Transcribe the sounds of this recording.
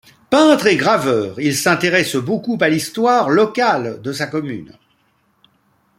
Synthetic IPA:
pɛ̃t̪χeɡʁavœːʁilsɛ̃t̪eʁɛsbokupalist̪waʁlɔkald̪əsakɔmy̰n

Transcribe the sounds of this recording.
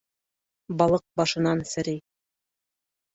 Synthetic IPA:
bɑlˠɤq̚bɑʃɤ̆nɑnsɘ̆ɾij

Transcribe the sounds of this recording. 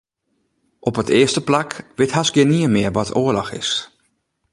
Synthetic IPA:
ʔɔpətɪəstəplakʋɪthasɡjɪniəmɪərʋɔtʰoːəlɔxɪ̰s

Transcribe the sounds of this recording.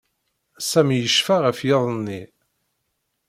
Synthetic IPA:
sæmjəʃfaʁəfjɪðˤnːi

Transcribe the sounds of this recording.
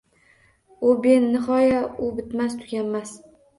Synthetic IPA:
ʊbe̞nːɪχɒjaʊbɪt̪mast̪ʰʊɡʲanmas

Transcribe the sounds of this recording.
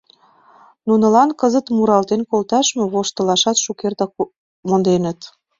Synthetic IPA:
nunə̆lɑnkəzə̆t̪muɾɑlt̪enkolt̪ɑʃmĕβoʃt̪ə̆lɑʃɑt̪ʃukerd̪ɑ | mond̪enə̆t̪

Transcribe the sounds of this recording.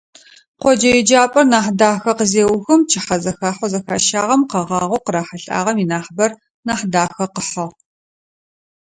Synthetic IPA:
qʷɔd͡ʒɐjɛd͡ʒaːpʼɐrnaːħdaːxɐqəzeːwxɨmt͡ʃʰɪħɐzɐxaːħʷɔzɐxaːʃaːʁɐmqɐʁɑːʁʷʊqəɾaːħɐɬʼa̰ːʁɐminaːħbɐr | naːħdaːxɐqəħɐʁ

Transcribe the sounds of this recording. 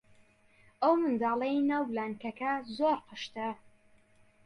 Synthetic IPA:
ʔɐwmɨnd̪ɑːlˠɐjnɐwlaːnkɐkɐzoɾqɨʃt̪ɐ

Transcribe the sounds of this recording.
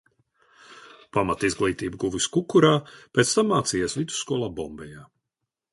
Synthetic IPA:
pamat̪izɡlˠiːt̪iːbɡuviskukuɾaːpʲeɛt̪st̪amːaːt̪siːjɛsvid̪zu̥sskuɔlˠaːbɔmbɛjaː

